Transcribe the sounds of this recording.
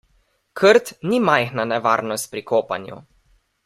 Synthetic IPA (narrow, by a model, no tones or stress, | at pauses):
kʰəɾt̪nimajxnanɛʋaːɾnɔst̪̚pɾikoːpa̰njṵ